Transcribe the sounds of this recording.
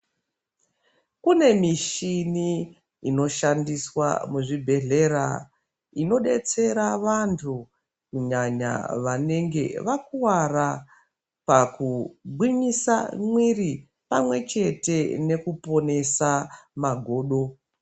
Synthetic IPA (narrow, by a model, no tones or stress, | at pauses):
kune̞miʃiniː | no̞ʃandiswa̰muʐibʱe̞ɮe̞ɾa̰ | ino̞ɗe̞t͡se̞ɾaʋantʰu | kuɲaɲa̰ʋane̞ŋɡe̞̰ʋakuwaɾa | pakuɡ͡bwimisa̰mwiri | pamwe̞t͡ʃe̞te̞ne̞kupo̞ne̞samaɡʱo̞ːɗo̞